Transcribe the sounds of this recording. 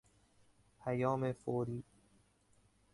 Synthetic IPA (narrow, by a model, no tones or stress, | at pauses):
pʰæjɒːmefoːɾiː